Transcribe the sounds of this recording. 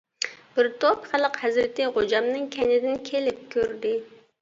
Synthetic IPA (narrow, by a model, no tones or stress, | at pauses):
b̥ɪɾt̪ʰopχælˠəqhæzɾɪt̪ɪʁod͡ʒɑmnɨŋkʲʰɛnɪd̪ɪnkʲʰelɪp̚kʲʰøɾd̪ɪ